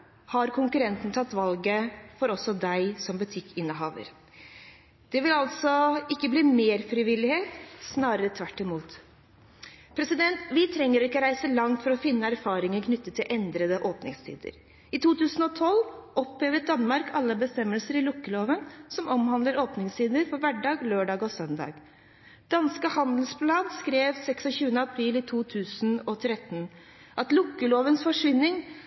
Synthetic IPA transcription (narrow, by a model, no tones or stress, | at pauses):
hɑɾkʰʊŋkʉɾɛnt̪n̩t̪ʰɑt̪ːʋɑlɡəfɔɾɔsːɔd̪æɪsɔmbʉt̪ʰɪkʰːɪnːəɦɑːʋə̰ɾ | d̪̥ɛʋɪlɑlt̪sɔɪkːəbliːmeːɾfɾɪʋɪlːɪheːt̪snɑːɾəɾət̪ʰʋæʈːɪmuːt̪ | pʰɾɛsɪd̪ɛnt̪ʋɪt̪ʰɾɛŋːəɾɔɪkːəɾæɪsəlɑŋt̪fɔɾɔfɪnːəæɾfɑːɾɪŋənkʰnʏt̪ːət̪ʰːɪlʔɛnd̪ɾəd̪əʔoːpnɪ̰ŋst̪ʰḭːd̪ə̰ɾ | ɪt̪ʰuːt̪ʰʉːsn̩ɔt̪ʰɔlʔɔpleːʋəd̪ɑnːmɑɾkʰɑlːəbəst̪ɛmːəlsəɾɪlʊkːəloːʋənsɔmɔmɦɑnd̪ləɾoːpnɪŋst̪ʰiːd̪əɾfɔɾʋæɖɑːɡløːɖɑːɡɔsœnd̪ɑ̰ːɡ | d̪̥ɑnskəhɑnd̪l̩spʰlɑːd̪skɾeːʋsɛksɔçʉːənəɑpʰɾiːlɪt̪ʰuːt̪ʰʉːsnɔt̪ʰɾɛt̪n | ʔɑt̪lʊkːəloːʋənsfɔʂʋɪnːɪŋ